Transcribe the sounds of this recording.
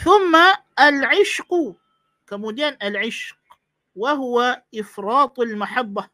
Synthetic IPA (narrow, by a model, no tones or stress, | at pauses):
θʊmːaʔalʕɪʃq | kamuːd̪aːnʔalʕɪʃq | waɦʊwaʔɪfɾˤɑːt̪ˤalmaħabːa